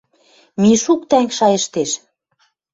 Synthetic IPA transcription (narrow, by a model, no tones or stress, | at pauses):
miʃuk̚t̪æŋkʃɑjə̆ʃt̪eʃ